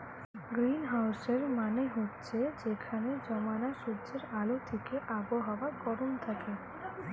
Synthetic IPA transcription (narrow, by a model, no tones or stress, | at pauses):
ɡɾinɦawseɾmaneɦotːt͡ɕʰed͡ʑekʰaned͡ʑɔmanaʃudd͡ʑeɾalot̪ʰikeʔaboɦaoakɔɾont̪ʰake